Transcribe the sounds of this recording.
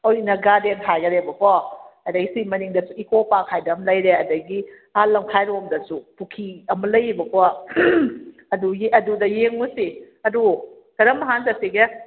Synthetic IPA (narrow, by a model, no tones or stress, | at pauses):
ɔjinaɡadenkʰajɡɐɾebɐpɔɐdaɡisimɐniŋdɐsuikopakʰajdamlɐjɾeɐdaɡi | alamkʰajɾomdɐsupukʰiɐmɐlɐjibɐkɔ | ɐdujeʔɐdudɐjeŋmusi | ɐdu | kɐɾɐmaɦanzasiɡe